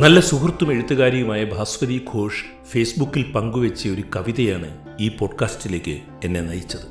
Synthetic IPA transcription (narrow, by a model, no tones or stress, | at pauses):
nɐlːɐsuhrt̪ːume̞ɻut̪ːuɣaːɾjɐɣumaːjɐbʱaːsʋɐðiːɡʰʱo̞ːʂɨ̥ | fe̞ːsbukːilpɐŋɡuʋet͡ɕːijɐo̞ɾukɐʋiðɐjaːɳɨ | iːpo̞ːɖkaːstile̞ːkʲːɨ̰ | e̞nːe̞nɐjit͡ɕːɐðɨ